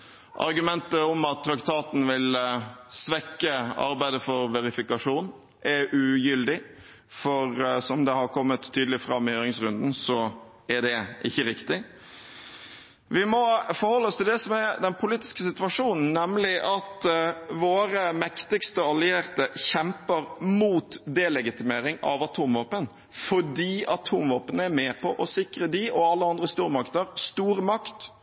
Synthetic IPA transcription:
ʔɑ̰ɾɡʉmɛnt̪əɔmɑt̪ʰːɾɑkt̪ʰɑːt̪n̩ʋɪlsʋɛkːəɑ̰ɾbæɪd̪əfɔɾʋɛɾɪfɪkɑʂuːn | ʔæɾʉjʏld̪ɪ | fɔɾsɔmd̪ɛhɑɾkʰɔmːət̪ʰːyːd̪əlɪfɾɑmːɪhøːɾɪŋsɾʉnd̪n̩sɔ | æɖ̪ɛʔɪçːəɾɪkt̪ɪ | ʋɪmɔfɔɾhɔlːəɔst̪ʰɪld̪ɛsɔmæɾd̪ɛnpʰʊliːt̪ɪ̥skəsɪt̪ʋɑʂuːnn̩nːɛmlɪʔɑt̪ʋoːɾəmɛkt̪ɪkst̪əɑlɪeːɾt̪əçɛmpəɾmuːt̪d̪ɛlɛɡɪt̪ɪmeːɾɪŋɑ̰ʋɑt̪ʰuːmʋɑːpən | fɔɖiːɑt̪ʰuːmʋoːpənəæɾmɛpʰɔʔɔsɪkɾəd̪iʔɔɑlːəɑnd̪ɾəst̪uːɾəmɑkt̪ɑɾst̪uːɾmɑkt̪

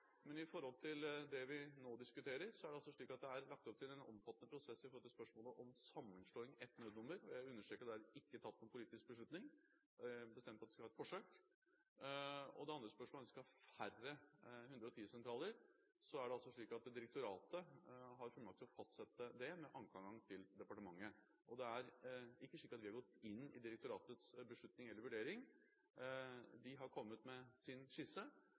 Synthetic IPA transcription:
mɛnɪfɔɾhɔlt̪ʰɪld̪ɛʋɪnoːd̪ɪskʉt̪ʰeːɾəɾsɔæɖɛɑlsɔʂɭiːkɑt̪̚d̪ɛæɾlɑk̚t̪ɔp̚t̪ʰɪlɛnɔ̰mfɑt̪ːnəpʰɾʊsɛsːɪfɔɾlt̪ɪlspœʂmoːləʔɔmsɑmːənʂɭoːɪŋɛt̪ːnøːd̪nʊmːəɾɔjæɪʉnːəʂʈɾøːkəd̪ɛæɾɪkːət̪ʰɑt̪ːnʊːpʰʊliːt̪ɪsk̚bəʂɭʉt̪nɪŋ | bəst̪ɛmt̪ɑt̪ɛskɑhɑːɛt̪fɔʂøːk | ɔ̰d̪ɛɑnd̪ɾəspœʂmolɑnd̪ɛskɑhɑfærəhʉnd̪ɾəɔt̪ʰiːəsɛnt̪ʰɾɑːləɾ | sɔæɖɛɑlsɔʂɭiːkɑt̪d̪ɪɾɛk̚t̪ʊɾɑːt̪əɦɑɾfɔlmɑkt̪ʰlɔfɑst̪sɛt̪ːəd̪ɛmɛʔɑŋkʰɑŋɡɑŋt̪ʰɪld̪ɛpɑʈəmɑŋːə | ʔɔd̪ɛæɾɪkːəʂɭiːkəɾɑt̪ʋɪhɑɾɡɔt̪ːɪnːɪ̰d̪ɪɾək̚t̪ʊɾɑːt̪ət̪sbəʂɭʉt̪nɪŋɛlːəɾʋʉɖeːɾɪŋ | d̪ɪɦɑɾkʰɔmːət̪mɛsɪnʂɪsə

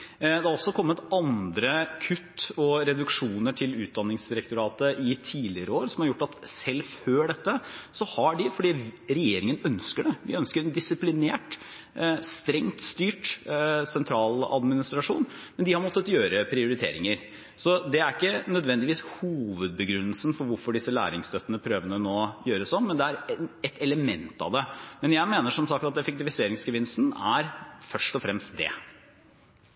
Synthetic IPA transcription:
d̪ɛhɑɾɔsːɔkʰɔmːət̪ɑnd̪ɾəkʰʉt̪ːɔɾɛd̪ʉkʂuːnəʈʰɪlʉːt̪̚d̪ɑnːɪŋsd̪ɪɾəkt̪ʊɾɑːt̪əʔɪt̪ʰiːlɪɾəoːɾsɔmhɑɾjʊʈːɑt̪sɛlføːɖɛt̪ːəsɔhɑɖɪfɔɖiːɾɛjeːɾɪŋənœnskəɖɛʋɪ̰œnskəɾɛnd̪ɪsɪplɪnḛːʈ | st̪ɾɛŋt̪st̪yːʈsɛnt̪ʰɾɑːlɑ̰d̪mɪnɪst̪ɾɑʂuːn | mɛnd̪ɪhɑɾmɔt̪ːət̪jøːɾəpʰɾɪʊɾɪt̪ʰḛːɾɪŋəɾ | sɔd̪ɛæɾɪkːənœd̪ʋɛnd̪ɪʋiːshuːʋəd̪̚bəɡɾʉnːəlsənfɔɾʋʊɾfɔɖɪsːəlæ̰ːɾɪŋst̪ʰœt̪ːənəpʰɾøːʋənənoːjøːɾəsɔmːɛnd̪ɛæɾɛɛt̪ɛləmɛnt̪ɑ̰ʋd̪ɛmɛnjæɪmeːnəʂɔmsɑkt̪ɑt̪ɛfɛk̚t̪ɪfɪseːɾɪŋsɡəʋɪnst̪n̩æ̰ɾfœʂʈɔfɾɛmst̪̚d̪ɛ̰

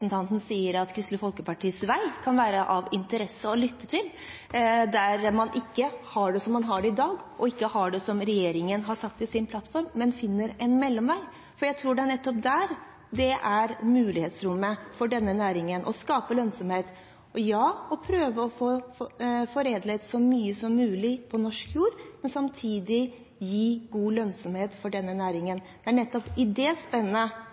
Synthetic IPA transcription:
sn̩t̪ʰɑnt̪ən̩siːəɾɑt̪kʰɾʏst̪ləfɔlkəpɑʈʰiːsʋæɪkʰɑnʋæːɾəʔɑʋɪnt̪əɾɛsːəɔlʏt̪ːət̪ʰɪl | d̪æɾmɑnʔɪkːəhɑɖɛsɔmːɑnɦɑɖɛɪd̪ɑːɡʔɔɪkːəhɑɖɛsɔmɾɛjeːɾɪŋənɦɑɾʂɑk̚t̪ɪlsɪnpʰlɑt̪ːfɔɾmːɛnfɪnːəɾɛnmɛlːɔmʋæɪ | fɔɾjæɪt̪ʰɾuːɖɛæɳɛt̪ːɔp̚d̪æːɾ | d̪ɛʔæɾmʉːlɪheːt̪sɾʊmːəfɔɖɛnːənæːɾɪŋənʔɔ̰skɑːpəlœnsɔmheːt̪ | ɔjɑːɔpʰɾøːʋəɔfoː | fɔɾeːd̪lɛt̪sɔmyːəsɔmːʉːlɪpʰɔnɔʂkjuːɾmɛnsɑmt̪ʰiːd̪ɪ | jiːɡuːlœnsɔmheːt̪fɔɖɛnːənæːɾɪŋənd̪̥ɛæɳɛt̪ːɔpɪd̪ɛspɛnːənə

